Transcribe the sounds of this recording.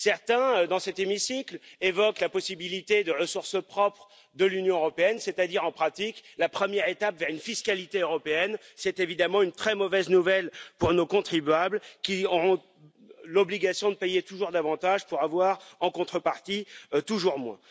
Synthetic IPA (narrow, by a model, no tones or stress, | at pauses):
sɛʁt̪ɛ̃ød̪ɑ̃sɛt̪emisiklevɔklapɔsibilit̪ed̪əʁəsuʁsəpχɔpχ | d̪əlynjɔ̃øʁɔpeɛnsɛt̪ad̪iʁɑ̃pχat̪iklapχəmjɛʁet̪apvɛʁynfiskalit̪eøʁɔpeɛnsɛt̪evid̪amɑ̃ynt̪χɛmɔvɛznuvɛlpuʁnokɔ̃t̪χibɥablkʲiɔʁɔ̃ | lɔbliɡasjɔ̃d̪əpɛjet̪uʒuʁd̪avɑ̃t̪aʒpuʁavwaʁɑ̃kɔ̃t̪χəpaʁt̪it̪uʒuʁmwɛ̃